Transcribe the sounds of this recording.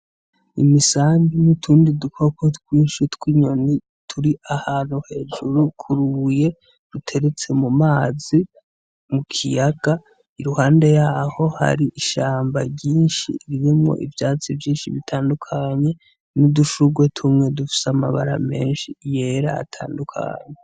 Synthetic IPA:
ḭmisaːmɡinitʰuːndidukʰo̞kotwiːnʃitwiɲo̞ni | tʰuɾiʔahan̥huhe̞ːʒuɾukʰuɾuje̞ | ɾutʰe̞ɾe̞t͡se̞mumaːzi | mukʰijaɡ̥a | iɾuhaːnde̞jaːho̞ha̰ɾiʔiʃaːmbaɟiːnʃḭɾiɾimŋo̰ʔivjaːt͡sivjiːnʃḭβitʰaːndukʰaɲe̞ | nuduʃuɡwe̞tʰumŋe̞dufi̥seama̰βaɾa̰me̞ːnʃije̞ɾa̰ːtʰa̰ːndukʰa̰ːɲe

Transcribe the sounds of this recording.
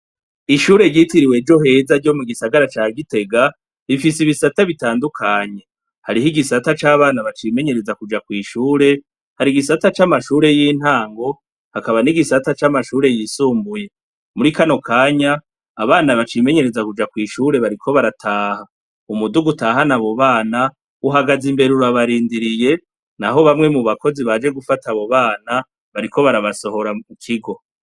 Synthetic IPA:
iʃuːɾe̞ɾɟitiɾiwe̞d͡ʒo̞ɦe̞ːzaɾɟo̞muɡisaɡaɾat͡ʃaːɡite̞ɡa | βifisiβisataβitaːndukʰaɲe̞ | haɾiɦiɡisatat͡ʃaːβaːnaβat͡ʃime̞ɲe̞ɾe̞zakud͡ʒakwiːʃuːɾe̞ | haɾiɡisatat͡ʃamaʃuːɾe̞jiːn̥haːŋɡo̞ | hakaβaniɡisatat͡ʃamaʃuːɾe̞jisuːmbuje̞ | muɾikano̞kʰaːɲaː | βaːnaβat͡ʃime̞ɲe̞ɾezakud͡ʒakwiːʃuːɾe̞βaɾikʰo̞βaɾatʰaːha | umuduɡutaɦanaβo̞βaːna | uɦaɡazimbe̞ɾuɾaβaɾiːndiɾije̞ | naɦo̞βamŋe̞muβakʰo̞ziβad͡ʒe̞ɡufataβo̞βaːna | βaɾikʰo̞βaɾaβaso̞ho̞ɾamukʰiɡo̞

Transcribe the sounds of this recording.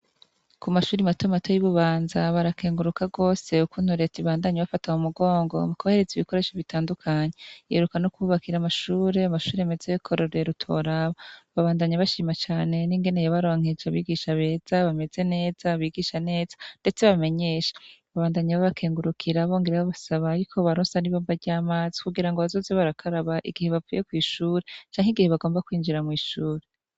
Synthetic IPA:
kumaʃuːɾimatomato̞jiβuβaːnzaβaɾakeːŋɡuɾukaɡo̞ːse̞ukuːn̥huɾe̞tiβaːndaɲeβafataumuɡo̞ːŋɡo̞̰mukohe̞ɾeziβiko̞ɾe̞ːʃoβitaːndukʰaɲe̞ḛɾukanokuuβakiɾamaʃuːɾe̞amaʃuːɾeame̞zejokʰo̞ɾoɾe̞ɾutʰo̞̰ɾaβaβaβaːndaɲaβaʃiːmat͡ʃaːne̞niŋɡe̞nejaβaɾoːŋ̥ed͡ʒaβiːɡiːʃaβe̞ːz̥aβame̞ze̞ne̞ːz̥aβiːɡiːʃane̞ːz̥ḁnd̥e̞t͡se̞βame̞ɲe̞ʃḁβaβaːndaɲaβaβakʰe̞ːŋɡuɾukʰiɾaβo̞ːŋɡeɾeβaβasaβaːɾikʰo̞βaɾoːnsaniβoːmbaɾɟaːmaːzi̥kuɡiɾaŋɡoβazo̞ːzeβaɾakʰaɾaβaʔḭɡihe̞βavṵjʔe̞kwiːʃuːɾe̞t͡ʃaːŋhiɡiheβaɡo̞ːmbakwiːnd͡ʒiɾamwiːʃuːɾe

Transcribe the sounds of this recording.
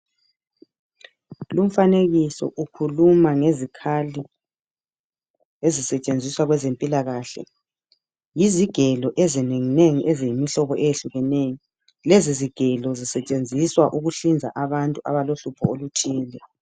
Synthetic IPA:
lum̩faneɣisɔ̰ʔukʰulumaŋezikʰali | ezisɛt͡ʃʼend͡zʱiswaɣwɛzempʼilaɣaːɬɛ̰ | jiziɡ̥ʱɛlɔʔezineŋineŋiʔezijimiɬɔβɔʔejeɬuɣɛnejɔ | leziziɡ̥ʱɛlɔzisɛt͡ʃʼend͡zʱiswaʔuɣuɬind͡zʱa̰ʔaβantʼuʔaβaloɬupʰɔolutʰiːlɛ

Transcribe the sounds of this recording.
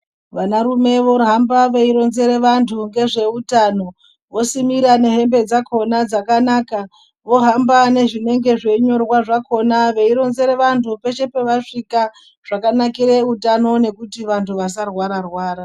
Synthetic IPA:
ʋanaɾume̞ʋo̞ɦambaʋeiɾo̞nze̞ɾe̞ʋantʰuŋɡe̞ʐe̞utaːno̞ | ʋo̞simiɾane̞ɦe̞mbe̞d͡zakʰo̞nad͡zakanaːka | ʋo̞ɦambane̞ʐine̞ŋɡe̞ʐe̞ɲo̞rwaʐakʰo̞naʋe̞iɾo̞nze̞ɾeʋantʰupe̞ʃe̞pe̞ʋaʂika | ʐ̥akanakiɾeutano̞ne̞kutiʋantʰuʋas̬arwaɾarwaːɾa

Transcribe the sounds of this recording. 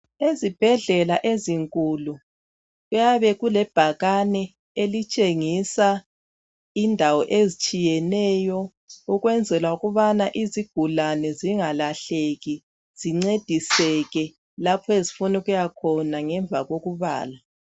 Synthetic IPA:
ezib̥ʱɛɮɛlaʔeziŋkʼulu | ɣujaβɛɣulɛb̥ʱaɣanɛ | elit͡ʃʼeŋisa | indʱawɔʔezit͡ʃʼijɛnɛjɔ | uɣwɛnd͡zʱɛlwauɣuβanaʔiziɡ̥ʱulanɛziŋalaɬeɣi | z̥iŋ͡ǀed̥ʱisɛɣɛ | lapʰɔezifunuɣujakʰɔnaŋɛɱb̪vʱaɣoɣuβa̰ːla

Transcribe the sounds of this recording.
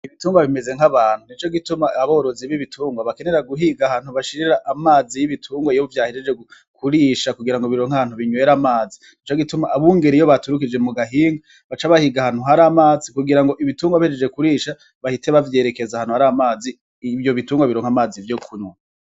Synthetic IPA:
iβituːŋɡwaβime̞ze̞ŋ̥aβaːn̥hunit͡ʃo̞ɡitumaaβo̞ːɾoziβiβitʰuːŋɡwaβake̞neɾaɡuɦiɡahaːn̥huβaʃiɾiɾaʔamaːzijiβitʰuːŋɡwajoβuvjaːhed͡ʒed͡ʒeɡu | kʰuɾiːʃakuɡiɾaŋɡoβiɾo̞ːŋhaβaːnhuβiɲwe̞ɾamaːzinit͡ʃoɡitumaːβuːŋɡe̞ɾijo̞βatuɾukid͡ʒe̞muɡaɦiːŋɡa | βat͡ʃaβahiɡahaːn̥uɦaɾamaːzikuɡiɾaŋɡo̞ʔiβituːŋɡwaβihed͡ʒed͡ʒe̞kuɾiːʃa | βahiteβavje̞ːɾe̞ke̞zahaːn̥huhaɾamaːzi | vjo̞βituːŋɡwaβiɾo̞ːŋhamaːzivjo̞kʰuɲwa

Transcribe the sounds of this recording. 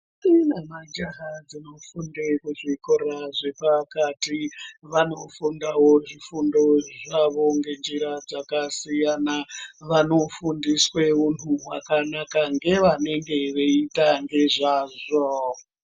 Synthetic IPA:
tinamad͡ʒaɦad͡zino̞fundekuʐikoɾaʐe̞pakatiʋano̞fundawo̞ʐifundo̞ʐaʋo̞ŋɡe̞nd͡ʒiɾad͡zakasijanaʋano̞fundisweun̤uwakanakaŋɡe̞ʋane̞ŋɡe̞ʋe̞itaŋɡe̞ʐaːʐo

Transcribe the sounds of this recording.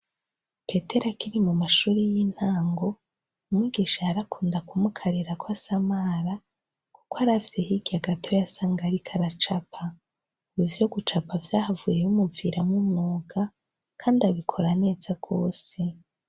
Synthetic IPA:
pe̞te̞ɾakiɾimumaʃuːɾijin̥haːŋɡo̞ | umŋwiɡiʃaːɾakʰuːndakumukʰaɾeɾakwasamaɾa | kukoaɾavjehiɡ̥iaɡatʰo̞jasaːŋɡaɾikʰaɾat͡ʃapʰa | uβuvjo̞ɡut͡ʃapavjaːhavuɾejumubviɾamumŋuːɡa | kʰaːndiaβikʰo̞ɾane̞ːzaɡ̥o̞̰ːse̞

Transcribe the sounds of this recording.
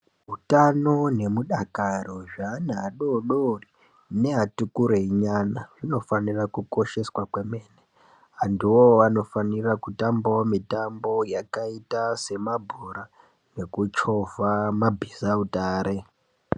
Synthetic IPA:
ɦutano̞ne̞muɗakaɾoʐaːnaɗoɗori | ne̞ɦatukuɾeiɲanaʐino̞fanirakuko̞ʃe̞swakwe̞me̞ːne | andiwo̞ʋano̞fanirakutambomitambo̞jakaitase̞mabʱuɾa | ne̞kut͡ʃo̞vamabʱizautaːɾʔe̞

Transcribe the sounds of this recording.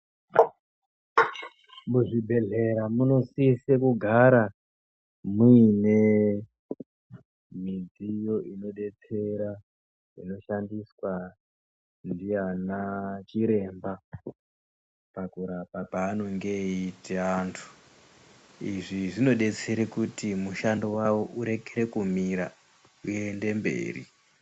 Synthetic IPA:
muʐibʱe̞ɮe̞ɾamuno̞sisekuɡʱaɾa | muine | mid͡zijo̞ʔino̞ɗe̞t͡se̞ɾa | ḭno̞ʃandiswa | ndijanat͡ʃiɾe̞ːmba | pakuɾapapaːno̞ŋɡe̞iteantʰu̥ | iʐiʐino̞ɗe̞t͡se̞ɾekutimuʃandowawo̞ʔuɾe̞ɡʱeɾe̞kumiɾa | ue̞nde̞mbe̞̰ːrḭ

